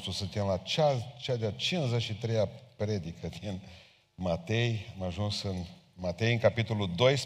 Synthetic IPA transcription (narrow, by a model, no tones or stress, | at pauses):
t̪ɾusɨnt̪e̞mlat͡ʃat͡ʃad̪eat͡ʃinzeʃit̪ɾejapɾe̞d̪ikəd̪in | mat̪e̞jamaʒunsɨnmat̪e̞jɨŋkapit̪o̞lud̪o̞js